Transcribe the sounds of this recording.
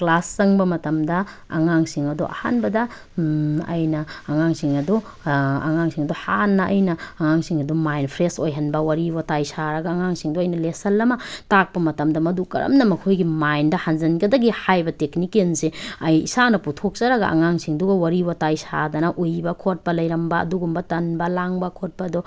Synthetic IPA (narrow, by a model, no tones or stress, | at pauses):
klasːɐŋbɐmɐtɐmdɐ | ɐ̰ŋaŋsiŋɐdṵʔɐ̰ha̰nbɐdɐ | ɐ̰jnɐːŋaŋsiŋɐdu | ɐ̰ŋaŋsiŋɐduhanːɐʔɐ̰jnɐːŋaŋsiŋɐdumajnpʰɾesojɦɐnbɐwɐɾiwɐtajsaɾɐɡɐːŋaŋsiŋduɐjnɐlesɐlːɐmɐtak̚pɐmɐtɐmdɐmɐdukɐɾɐ̰mnɐmɐkʰojɡimajndɐhanzɐnɡɐdɐɡihajbɐteknikenseɐjḭsanɐputʰok̚t͡ʃɐɾɐɡɐ̰ʔa̰ŋaŋsiŋduɡɐwɐɾibɐtajsa̰dɐnɐʔujbɐkʰot̚pɐlɐjɾɐmbɐ̰ːduɡumbɐtɐnbɐlaŋbɐkʰot̚pɐdu